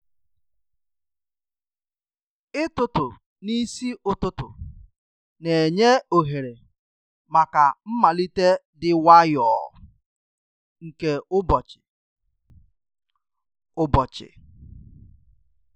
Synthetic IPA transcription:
ɪ˦tʊ˨tʊ˨ | ni˦si˦ʔʊ˨tʊ˦tʊ̰˨ | ne˨e˨ɲe˦o˨ɦe˨ɾe˨ | ma˨ka˨m̩˦ma˨li˦te˦ | dɪ˦wa˦jɔ̰ː˨ | ŋ̩˨ke˦ʊ˦bɔ˨t͡ʃɪ̥˨ | ʊ˦bɔ˨t͡ʃɪ̰˨

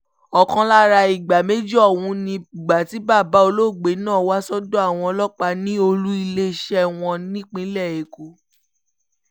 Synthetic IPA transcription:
ɔ˨kɔ̃˧la˦ɾa˧i˨ɡ͡ba˨me˦d͡ʒɔ˦˨wũ˨˧˦nĩ˧i˨ɡ͡ba˨ti˨˦ba˦˨ba˨˦o˧lo˦˨ɡ͡be˨˦nãː˦˨wa˦sɔ˦dɔ̃˦a˦˨w̃ɔ̃˧ɔ˧lɔ˦k͡pa˧nĩ˦o˧lu˦i˧le˦˨ʃɛ˦w̃ɔ̃˧nĩ˦k͡pĩ˦lɛ˦˨e˨ko˨˧˦

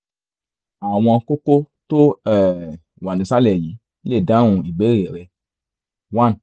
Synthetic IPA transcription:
a˨w̃ɔ̃˧ko˦ko˦ | to˦ɛ˨ | wa˨nĩ˨sa˦lɛ˨ji˨˦le˦˨da˨˦wũ˧i˨ɡ͡be˨˦ɾi˨ɛ˨ɾɛ˧ | wa˦˨n˨

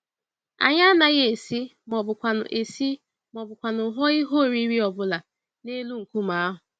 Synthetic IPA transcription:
a̰˨ɲa˦na˨ɣe˦e˨si˦mɔ˨bʊ˨kʷa˨nʊ̰˨ʔe˨si˦ | mɔ˨bʊ˨kʷa˨nʊ˨ɦɔ˦i˦ɦo˦˨ɾi˦ɾi˦ɔ˨bʊ˦la˨ | ne˦lu˦ŋ̩˨ku˦ma˨˦a˦ɦʊ˨

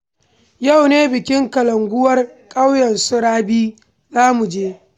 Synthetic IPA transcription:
ja˦˨wneː˦bɪ˨kʲɪ˦ŋkɐ˨lɐ˨ŋɡʷʊ˦wɐ˦rkʼa˦wjɐ˨nsʊ˦ɽaː˦biː˦ | zaː˦mu˨d͡ʒeː˦

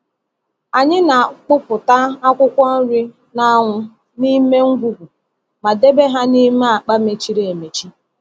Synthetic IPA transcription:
a˨ɲɪ˦na˨k͡pʊ˦pʊ˨ta˦a˦kʷʊ˦kʷɔ˦n̩˦ɾi˦ | na˦ŋʷʊ˦ | ni˦me˦ŋ̩˦ɡʷu˦ɦu˨ | ma˨de˦be˦ɦa˦ni˦me˦a˨k͡pa˦me˨t͡ʃi˦ɾe˦˨e˨me˨t͡ʃi˦

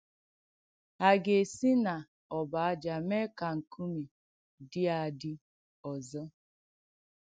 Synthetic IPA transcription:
a˨ɡe˨si˦na˨ | ɔ˨ba˨a˦d͡ʒa˨me˦ka˨ŋ̩˨kʰu˦mi˨ | dɪ˦a˨dɪ˦ | ɔ˨zɔ˦

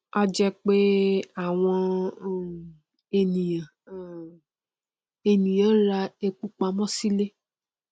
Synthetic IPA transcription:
ɔ˧d͡ʒɛ˧k͡pe˦a˦˨w̃ɔ̃˧˦˨ | e˧nĩ˨jã˨ | e˧nĩ˨jã˨˦ɾa˧e˧k͡pu˦k͡pa˧˦mɔ̃˦si˦le˦

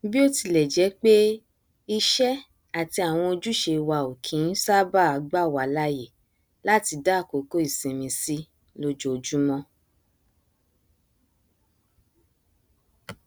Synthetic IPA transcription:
bi˦o˦ti˧˨lɛ˨d͡ʒɛ˨˦k͡pe˦ | i˧ʃɛ˦ | a˨ti˧a˨w̃ɔ̃˧o˧d͡ʒu˦ʃe˧wa˧˨o˨kʰĩ˨˦n̩˦sa˦ba˦˨a˧˦ɡ͡ba˦˨wa˨la˦je˦˨ | la˦˨ti˧da˦˨ko˨˦ko˦i˦˨sĩ˨mĩ˧si˦ | lo˧d͡ʒo˨o˨d͡ʒu˦mɔ̃˦

